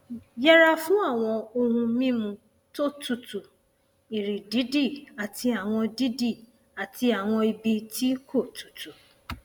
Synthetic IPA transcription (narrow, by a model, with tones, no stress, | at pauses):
ja˦ɾa˦fʊ̃˦a˦˨w̃ɔ̃˧o˦ɦũ˧mĩ˦mũ˧ | to˦tu˨tu˨ | i˨ɾi˨di˦di˦˨a˨tʰi˧a˨wʷɔ̃˧di˦di˦˨ | a˨ti˦a˨w̃ʷɔ̃˧i˧bi˧ti˦kʰo˦˨tu̥˨tu˨